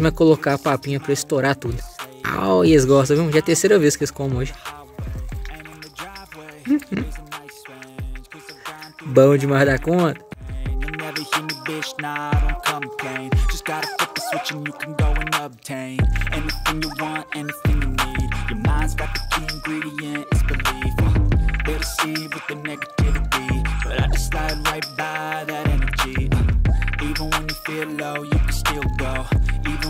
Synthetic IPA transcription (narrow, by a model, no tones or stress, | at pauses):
mɐkolokapapĩɲɐpɾɐist̪oɾat̪ud̪ʊa̰weɪsɡɔst̪ɐ̃vĩmʒaɐt̪eɾseɾɐveskelɪskõmɐ̃oʒɪ | ɨ̃nɨ̃ɨdɹaɪvwẽes | bɐ̃ʊ̃d͡ʒɪmahd̪akõt̪ɐ̥̃njɨnɛvə˞himibɪʃnaʊɾə̃kʰʌ̃mpʰl̥ẽɪ̃nd̥ʒ̥ʌsɡ̥ɑɾəpɪt̪̚ðəswɪt͡ʃɨ̃njɨkʰn̩ɡoʊɨ̃nʌb̚tʰẽɪ̃nɛniθɪ̃ŋjɨwɑ̃ntɛniθɪ̃ŋjɨnid̥̚jə˞mãɪ̃ndzɡɑt̪̚ɨkʰiɨ̃nɡɹiɾiɨ̃nzbɨlivb̥ɛɾɨsiwɨðɨnɛɡɨtʰɪvɨbib̥ʌɾaɪd͡ʒʌslaɪɾɨlaɪbaɪðɨɾɛnə˞d͡ʒi | ivə̃nwə̃njɨfilˠloʊjɨkn̩stɪlˠɡoʊiṽ